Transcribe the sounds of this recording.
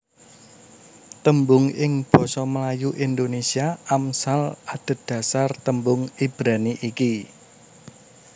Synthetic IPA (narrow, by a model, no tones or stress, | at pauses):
t̪əmbʊŋɪŋb̥ɔ̤sɔməlajuʔind̪onesiaamsalad̥ə̤d̪̥ä̤sart̪əmbʊŋib̥ɾaniʔiki